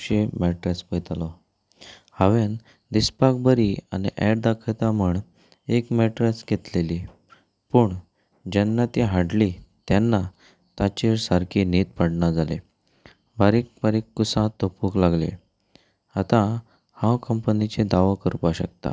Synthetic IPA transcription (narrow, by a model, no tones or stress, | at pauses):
ɕemɛʈɾaspət̪alɔ | haʋen | d̪ispak̚bəɾia̰niʔɛɾd̪akʰət̪aməɳ | ekmɛʈɾasɡʱet̪leliː | puːɳ | d͡ʑanːat̪iɦaɽlit̪janːa | t̪at͡ɕeɾsaɾkʰinet̪̚paɽɳad͡zalḛ | baɾikbaɾikːusãt̪opuklaɡlḛ | at̪ã | hãwkəmpnit͡ɕed̪aʋakəɾupaɕək̚t̪a̰